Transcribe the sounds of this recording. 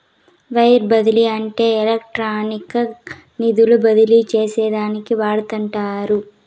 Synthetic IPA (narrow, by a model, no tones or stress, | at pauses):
ʋɐjɾbɐd̪iliɐɳʈe̞ːɛlɐk̚ʈɾaːnikɐ | nid̪ulubɐd̪ilit͡ʃeːsɛːd̪aːnikiʋaːɽut̪ɐɳʈaːɾu